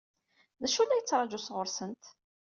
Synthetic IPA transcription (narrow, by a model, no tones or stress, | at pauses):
ðæʃulːæjət͡sːɾˤɑd͡ʒusʁʊɾsənt̪